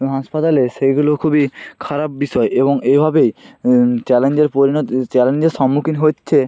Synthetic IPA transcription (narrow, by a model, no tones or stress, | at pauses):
ɦaʃpat̪aleʃejɡulokʰubikʰaɾap̚biʃɔeʔeboŋebʱabej | t͡ɕɛlend͡ʑeɾpoɾinɔt̪t͡ɕɛlend͡ʑeɾʃɔmːukʰinɦoːɕʰe